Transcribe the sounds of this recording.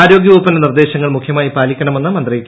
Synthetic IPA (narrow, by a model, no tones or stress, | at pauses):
aːɾo̞ːɡjɐʋuːpːɐndenird̪e̞ːɕɐŋːɐɭmukʰjɐmaːjipaːlikʲːɐɳɐme̞nːɨmɐnd̪rɐjikʲː